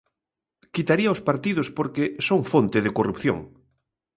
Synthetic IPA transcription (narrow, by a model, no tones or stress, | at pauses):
kit̪aɾiɐospaɾt̪ið̞ʊspoɾkesoŋfont̪ɪðɪkorupθjo̰ŋ